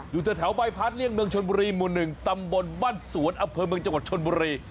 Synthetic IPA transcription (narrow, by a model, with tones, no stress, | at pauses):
juː˨˩t͡ɕ̪aː˨˩t̪ʰɛ˩˦wba˧jpʰaː˦˥t̪̚li˥˩ənmɯ˧əŋt͡ɕʰo˧nbuː˧ɾiː˧mu˨˩nːɯ˨˩ŋt̪a˧mbo˧nwaː˥˩nsu˩˦nʔa˧mpʰɤː˧mɯ˧əŋt͡ɕa˧ŋwa˨˩t̪̚t͡ɕʰo˧nbuː˧ɾiː˧